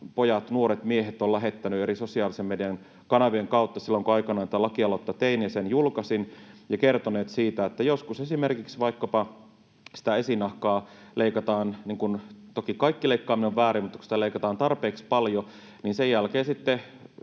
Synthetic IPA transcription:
pojɑt̪nuoɾet̪mieɦet̪ːolæɦet̪ːænyeɾisosiɑːlisemmediɑn | kɑnɑʋieŋkɑut̪ːɑsilːoŋkoɑikɑnɑːnt̪ælɑkiɑlot̪ːɑt̪einjɑsenjulkɑsinjɑkert̪oneːt̪siːt̪æet̪ːæjoskusesimerkiksʋɑikːɑpɑ | si̥t̪æesinɑhkɑːleikɑt̪ɑːnniŋkunt̪okikɑikːileikːɑːmineoʋʋæːɾimut̪ːɑku̥si̥t̪æleikɑt̪ɑːnt̪ɑrpeːkspɑljo | ninsejælkeːsit̪ːe

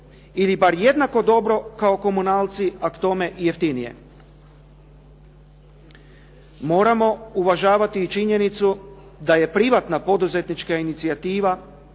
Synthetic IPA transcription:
ilibaɾje̞d̪nako̞d̪o̞bɾo̞kao̞ko̞munaːlˠt̪siakt̪o̞me̞ʔije̞ft̪inije̞̰ | mo̞ːɾamo̞uʋaʒaːʋat̪iːt͡ʃiɲe̞nit̪su | d̪aje̞pɾiʋat̪napo̞d̪uze̞t̪nit͡ʃkainit̪siat̪iːʋa

